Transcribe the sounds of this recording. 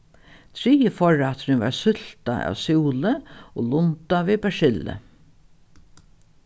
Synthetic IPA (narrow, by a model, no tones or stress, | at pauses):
t̪ʰɾiːəfɔɹat̪ɾɪŋʋɑ̰ɹsʏlt̪aʔɑ̰ːʋsjuːləoːlʊnt̪aʋeːbæʂɪlə̰